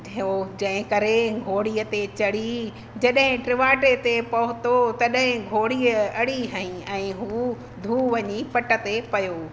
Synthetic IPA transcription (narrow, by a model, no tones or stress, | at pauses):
od͡ʑɐ̃ɦɪ̃kɐɾeɡʱoːɽiːət̪et͡ɕɐɽi | d͡ʑɐɗɦɪ̃ʈɾɪʋaːʈet̪epɐɦʊt̪ot̪ɐɗɦɪ̃ɡʱoːɽiːəɐɽiɦɐĩɛ̃ːɦuː | d̪ʱuːʋɐɲipɐʈə̆t̪epɐjoː